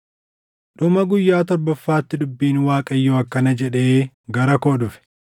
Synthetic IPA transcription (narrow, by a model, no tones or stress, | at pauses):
ᶑʊmɐɡʊjːaːt̪ɔɾbɐfːaːt̪ːɪᶑʊbːiːnwaːkʼɐjːoɐkːɐnɐd͡ʒɛᶑeː | ɡɐɾɐkoːᶑʊfɛ̥